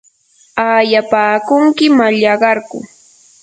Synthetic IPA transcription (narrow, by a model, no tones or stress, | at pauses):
ajapaːkʊŋkɪmaʎɑɢɑɾkʊ̰